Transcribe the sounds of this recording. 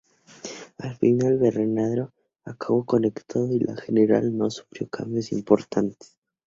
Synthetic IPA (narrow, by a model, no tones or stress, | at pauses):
alfinalβerenaðɾo | akaβoko̞nekt̪ʰaðoilʔa̰xeneɾa̰lnosu̥fɾjokʰa̰mbjosimpoɾt̪ʰant̪e̥s